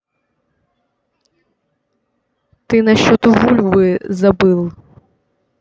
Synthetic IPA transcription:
t̪ɪnɐʃt͡ʃɔt̪ɔɦulʲʋɪzɐbɪlˠ

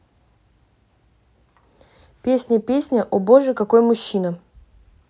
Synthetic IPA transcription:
pʲesʲnʲəpʲesʲnʲəʔɔboʐəkɐko̞jmʊɕːinə

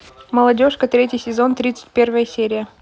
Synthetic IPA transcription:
məlˠɐdʲo̞ʂkət̪ɾʲetʲɪjsʲɪzo̞nt̪ɾʲit̪sɨ̥t̚ʲpʲe̞rvəjəsʲeɾʲɪjə

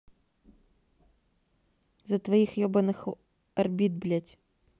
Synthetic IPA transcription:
zɐt̪vɐjixjɔbɐnɨx | ɐrbʲid̪̚blʲatʲ

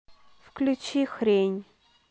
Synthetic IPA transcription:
fklʲut͡ɕixɾʲenʲ

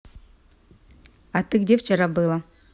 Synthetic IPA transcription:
at̪ɨɡdʲeft͡ɕɪɾabɨlˠə

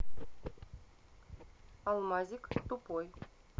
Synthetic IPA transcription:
ɑlˠmɑzʲikt̪upoj

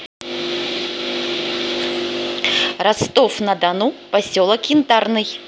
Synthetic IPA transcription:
ɾast̪ɔfnɐd̪anupasʲɔlˠɐkint̪arnɨj

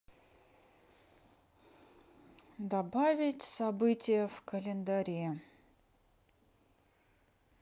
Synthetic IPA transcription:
d̪ɐbavʲɪtʲsɐbɨtʲɪjəfkəlʲɪnd̪ɐɾʲe

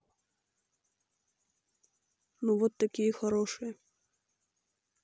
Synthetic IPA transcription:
nuvɔt̪ːɐkʲijəxaɾɔʂɨjɐ

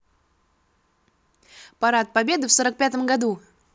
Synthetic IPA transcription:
pɐɾat̪̚pɐbʲe̞d̪ɨfsoɾək̚pʲat̪əmɡɐd̪u

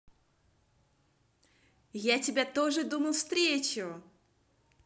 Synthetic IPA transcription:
jatʲɪbʲat̪oʐɨd̪uməlˠfst̪ɾʲet͡ɕʊ

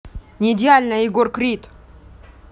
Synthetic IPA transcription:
nʲɪːdʲɪalʲnəɪɡorkɾʲit̪

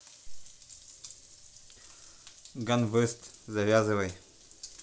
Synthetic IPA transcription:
ɡanvəɾst̪zɐvʲazɨvɐj

